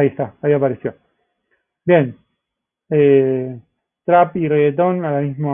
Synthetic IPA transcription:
iest̪aaiapaɾesjo̞ | bjen | e | t̪ɾapireet̪̬onalamizmo

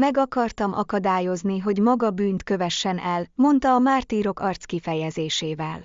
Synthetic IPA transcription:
mɛɡɒkɒrt̪ɒmʔɒkɒd̪aːjo̞zniɦo̞ɟmɒɡɒbyːnt̪kø̞vɛʃːɛnɛlmo̞nt̪ɒːmaːrt̪iːɾo̞kɒrt̪skifɛjɛzeːʃeːvɛl

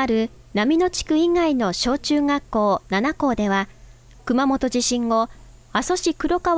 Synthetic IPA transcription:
aɾɯ̟ | namʲino̞t͡ɕi̥kɯ̟iŋaino̞ɕo̞ːt͡ɕɨːɡakːo̞ːnanako̞ːd̪e̞βa | kɯ̟mamo̞t̪o̞ʑiɕĩŋɡo̞ | aso̞ɕikɯ̟ɾo̞ka

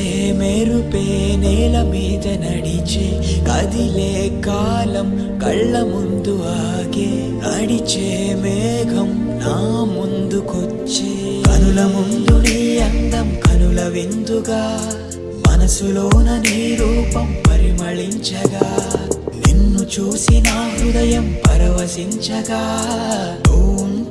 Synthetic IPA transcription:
ɦmeɾupeːneːlɐmiːd̪ɐnɐɽit͡ʃe | ɐd̪ileːkaːlɐm | kɐɭːɐmund̪uaː | ɡe | nɐɽit͡ʃe | meː | ɡʱɐmnaːmund̪uku | t͡ʃːekɐnulɐmund̪uniɐnd̪ɐmkɐnulɐʋind̪uɡaː | mɐnɐsuloːnɐniːɾuːpɐmpɐɾimɐɭiɲt͡ʃɐɡaːninːut͡ʃuːsinaːɦud̪ɐjɐmpɐɾɐʋɐsiɲt͡ʃɐɡaː | oːm

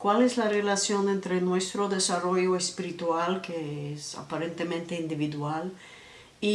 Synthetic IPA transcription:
kwalezlarelasjõnẽnt̪ɾenwest̪ɾoðesaroʝoespiɾit̪walkeesa̰paɾẽnt̪emẽnt̪eind̪iβiðwal | i

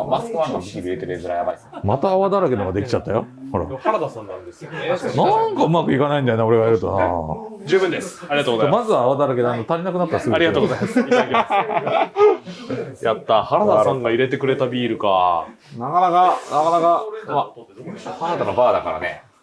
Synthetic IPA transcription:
masɨ̥kɯãnakikʲibʲiɾet̪eɾezɨɾajabai | mat̪aːβad̪aɾaɡenoɡad̪e̞kʲi̥t͡ɕat̪ːajo̰ho̞ɾa̰haɾad̪asãnaesnãŋkaɯ̟makɯ̟ikanaĩnd̪ajonao̞ɾe̞ɡajaɾɯ̟t̪o̰na̰d͡ʑɨːbɯ̃nd̪esɨ̥aɾiat̪oːɡzajmazɨβaːβad̪aɾaɡed̪ãnot̪aɾʲinakɯ̟nat̪ːaɾasɨɡaɾʲiɡat̪oːɡozajmasikis | jat̪ːahaɾad̪aanãŋkaiɾe̞t̪e̞kɯ̟ɾe̞t̪abʲiːɾɯ̟ka̰ | nakanakanakanakaa | haɾad̪anabaːd̪akaɾa̰nḛ

